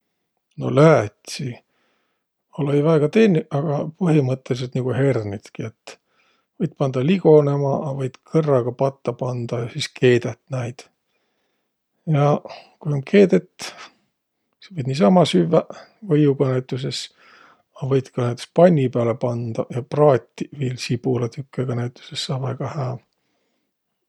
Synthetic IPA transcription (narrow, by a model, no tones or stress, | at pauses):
no̞̰lææt̪ʲsi | olejvæeɡ̥ɑt̪eːnʲːiʔɑɡ̥ɑpɤɦimɤt̪ːe̞lis̬et̪niɡ̥uhe̞rnit̪kiet̪ː | vɤjd̪̥̚pɑnd̪̥ɑliɡ̥o̞ne̞mɑʔɑvɤjd̪̥kʰɤrːɑɡ̥ɑpɑt̪ːɑpɑnd̪̥ɑjɑsiskʰe̞ːd̪et̪næjd̪̥ | jɑkujoŋkʰe̞ːd̪et̪ː | sevɤjd̪niːsɑmɑsyvːævɤjuɡ̥ɑnæɥt̪ːˑus̬e̞s | ɑvɤjd̪̥kɑnæjt̪ːu̥spɑnʲːipeælepɑnd̪̥ɑjɑprɑːt̪ʲːiviːlsib̥ulɑt̪ʰykːeɡ̥ɑnæɥt̪ːˑu̥sesːɑːvæɡ̥ɑhæː